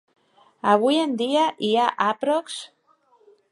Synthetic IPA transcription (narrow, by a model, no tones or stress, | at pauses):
aβ̞ujend̪iaʔiaʔapɾoks